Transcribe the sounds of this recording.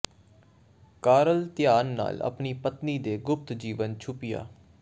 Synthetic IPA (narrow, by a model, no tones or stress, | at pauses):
kaːɾəlt̪ɪjaːnːa̰ːlə̰pniːpət̪niːd̪eːɡʊp̚t̪d͡ʒiːʋənt͡ʃʰʊpɪja̰ː